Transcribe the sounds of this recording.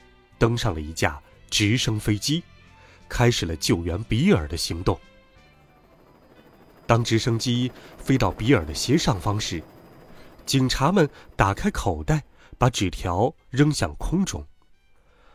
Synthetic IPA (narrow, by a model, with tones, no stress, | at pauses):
t̪ɤ˥ŋʂɑ˥˩ŋlə˩i˧˥t͡ɕja̰˥˩ | ʈ͡ʂɻ̩˧˥ʂɤ˥ŋfe˥ɪt͡ɕi˥ | kʰa˥ɪʂɻ̩˨˩lə˦t͡ɕjo˥˩ʊɥɛ˧˥npi˧˥ə˞˨˩d̪ə˦ɕi˧˥ŋt̪ʊ˥˩ŋ | t̪ɑ˥ŋʈ͡ʂɻ̩˧˥ʂɤ˥ŋt͡ɕi˥fe˥ɪt̪ɑ˥˩ʊpi˧˥ə˞˨˩d̪ə˦ɕjɛ˧˥ʂɑ˥˩ŋfɑ˥ŋʂɻ̩˥˩ | t͡ɕi˨˩ŋʈ͡ʂʰa˧˥mə˨nt̪a˨˩kʰa˥ɪkʰo˨˩ʊt̪a˥˩ɪ | pa˧˥ʈ͡ʂɻ̩˨˩t̪ʰjɑ˧˥ʊ | ɻɤ˥ŋɕjɑ̰˥˩ŋkʰʊ˥ŋʈ͡ʂʊ̰˨˩˦ŋ